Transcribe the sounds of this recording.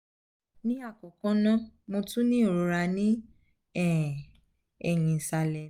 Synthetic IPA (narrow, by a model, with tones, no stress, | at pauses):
nĩ˦a˦˨kɔ˨kɔ̃˦nã˦mo˧tũ˦nĩ˦o˨ɾo˧ɾa˧nĩ˦ | ɛ˦˨ | ɛ̰˨j̃ĩ˨sa˧lɛ˨